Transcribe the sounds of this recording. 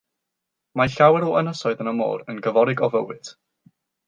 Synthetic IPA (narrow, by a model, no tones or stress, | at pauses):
maɬawɛɾuənəsɔɨðənəmo̰ːɾənɡəvɔɾɪɡɔvə̰wɨd̥